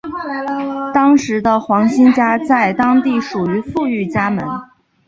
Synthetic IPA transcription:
t̪ɑ˥ŋʂɻ̩˧˥d̪ə˧xwɑ˧˥ŋɕi˥nt͡ɕja˥t͡sa˥˩ɪt̪ɑ˥ŋt̪i˥˩ʂu˨˩y˧˥fu˥˧y˥˩t͡ɕja˥mə̰˧˥n

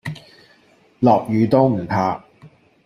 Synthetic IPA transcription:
lɔː˨k̚jyː˨˧t̪o˥wm̩˨˩pʰaː˧

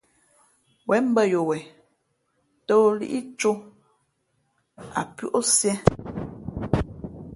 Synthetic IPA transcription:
wɛ˨˦m̩˦bə˦jo˨wɛ˨ | to˦lḭ˦ʔi˦t͡ʃo˦ | a̰˨pu˦ʔo˦sjɛ˦

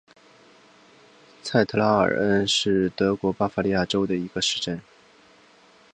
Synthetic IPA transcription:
t͡sʰa˥˩ɪt̪ʰɤ˧˥la˥ə̰˨˩ə˥nʂɻ̩˥˩t̪ɤ˧˥kwɔ˧˥pa˥fa˥li˥˧ja˥˩ʈ͡ʂo˥ʊd̪ə˨i˧˥ɡə˧ʂɻ̩˥˧ʈ͡ʂə˥˩n

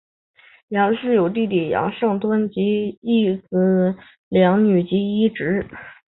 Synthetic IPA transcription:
jɑ˧˥ŋ˧ʂɻ̩˥˩jo˨˩ʊt̪̬i˥˩t̪jɛ˨˩jɑ̰˧˥ŋʂɤ˥˩ŋt̪wə˥nt͡ɕi˧˥i˥˩t͡sɹ̩˧˥ | ljɑ˧˥ŋny˨˩t͡ɕi˧˥i˥ʈ͡ʂɻ̩˧˥

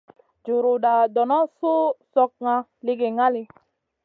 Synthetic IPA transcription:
d͡ʒu˨ɾu˨da˨dɔ˨nɔ˦su˦sɔ˦k̚ŋa˧li˦ɡe˨ŋa˦li˦

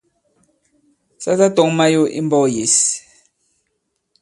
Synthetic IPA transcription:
sa˦ta˦tɔ˨˦ŋma˦jo˦ʔi˦mbɔ˦je˨˦s

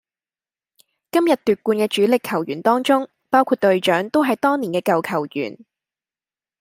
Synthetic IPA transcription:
kɐ˥mjɐ˨t̚t̪yː˨t̚kuː˧nkɛː˧t͡ʃyː˨˥lɪ˨kʰːɐ˨˩wjyː˨˩nt̪ɔː˥ŋt͡sʊ˥ŋ | paː˥wkʰuː˧t̚t̪ɵ˧ɥt͡ʃœː˨˥ŋt̪o˥wɦɐ˨jt̪ɔː˥ŋniː˨˩kɛː˧kɐ˨wkʰɐ˨˩wjy̰ː˨˩n

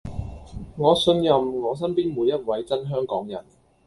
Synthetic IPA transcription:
ŋɔː˨˧sɵ˧njɐ˨mŋɔː˨˧s̬ɐ˥npiː˥nmuː˨˧jːɐ˥t̚wɐ˨˥jt͡sɐ˥nɦœː˥ŋkɔː˨˥ŋjɐ̰˨˩n

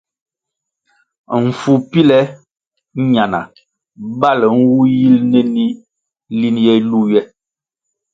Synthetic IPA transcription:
m̩˨fu˨pi˦lɛ˦ | ɲa˨na̰˨ | ba˦˨lŋ̩˦wu˦ji˦lnɛ˦ni˦ | li˦njɛ˦lu˦˨jɛ˦

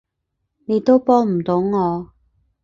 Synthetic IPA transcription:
ne˨˧jt̪o˥wpɔː˥ŋm̩˨˩t̪o˨˧˥wŋɔː˨˧

